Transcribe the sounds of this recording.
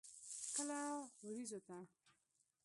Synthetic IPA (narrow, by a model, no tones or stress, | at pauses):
kəlawɾizot̪a